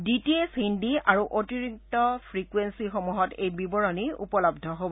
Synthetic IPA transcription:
ditiesindiaɹuʔotiɹik̚tɔpʰɹikwensixɔmuɦɔtejbibɔɹɔniṵpɔlɔb̚dʱɔɦobɔ

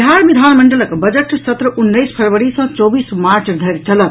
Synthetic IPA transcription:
ɦaɾbid̪ʱanməɳɖələkbəd͡ʒəʈsət̪ɾəʔunːəjspʰəɾʋəɽisə̃t͡ʃɔbismaɾt͡ʃd̪ʱəɾt͡ʃələt̪

